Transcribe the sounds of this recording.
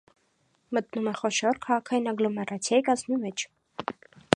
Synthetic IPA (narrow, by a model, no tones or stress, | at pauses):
mət̪numɛχɔʃɔɾkʰɑʁɑkʰɑjinɑɡlɔmɛrʔɑt͡sʰjɑjikɑznumɛt͡ʃʰ